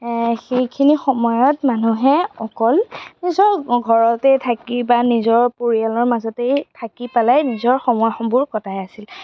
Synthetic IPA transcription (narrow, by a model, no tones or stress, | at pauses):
xejkʰinixɔmɔjɔtmanuɦɛɔkɔlnizɔɹɡʱɔɹɔtɛtʰakibanizɔɹpoɹialɔɹmazɔtejtʰakipalajnizɔɹxɔmɔjxɔbʊɹkɔtʰajasil